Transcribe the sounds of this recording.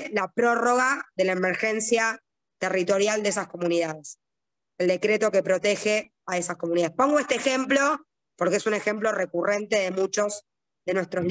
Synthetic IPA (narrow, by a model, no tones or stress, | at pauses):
lapɾo̞ro̞ɣaðe̞laemeɾxensja | t̪erit̪o̞ɾjald̪ees̬asko̞muniðaðes | eld̪e̞kɾet̪o̞ke̞pɾo̞t̪exe | aesaskomuniðaðehpo̞ŋɡoe̞st̪eːxemplo̞ | poɾkeesune̞xe̞mplorekure̞nt̪e̞ðe̞mut͡ʃo̞s | ðe̞nwe̞st̪ɾo